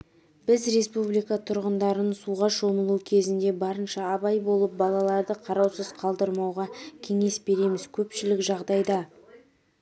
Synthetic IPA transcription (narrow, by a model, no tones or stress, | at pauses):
b̥ɪzɾe̞spublijkɑt̪ʰʊɾʁənd̪ɑɾənsuʁɑʃo̞məlˠukʲʰe̞zɪnd̪e̞bɑɾənʃɑːbɑjbo̞lˠəp̚bɑlˠɑlˠɑɾd̪əqʰɑɾɑwsəz̥qʰɑlˠd̪əɾmɑwʁɑkʲʰe̞ŋe̞sbe̞ɾe̞mɪz̥kʲʰɵpʃɪlɪkʒɑʁd̪ɑjd̪ɑ